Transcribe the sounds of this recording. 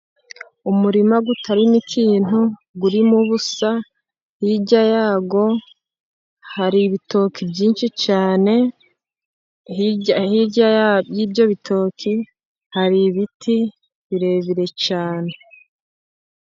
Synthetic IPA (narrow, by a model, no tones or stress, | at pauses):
umuɾimaɡutʰaɾinikʰiːn̥u | ɡuɾimuβusa | hiɟajaːɡo̞ | haɾiβito̞ːkibɟiːnʃit͡ʃaːne̞ | iahiɟajiːbɟo̞βitʰo̞ːkʰi | haɾiβitʰi | βiɾe̞ːβiɾe̞t͡ʃaːne̞